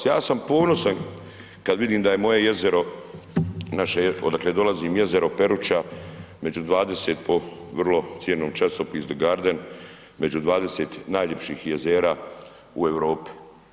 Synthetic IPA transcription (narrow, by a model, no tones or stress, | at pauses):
jaːsampo̞ːno̞san | kad̪ʋid̪iːmd̪aje̞mo̞je̞je̞zeɾo̞ | naʃeo̰d̪akled̪o̞laziːmje̞ze̞ɾo̞pe̞ɾut͡ʃa | me̞d͡ʒud̪ʋaːd̪e̞set̪po̞ | ʋrlo̞t̪sjeːnoːmt͡ʃasopizd̪oɡaːɾd̪en | me̞d͡ʒud̪ʋaːd̪e̞seːt̪naːjʎe̞pʃiːxje̞zeːɾaː | ue̞ʋɾo̞ːpi̥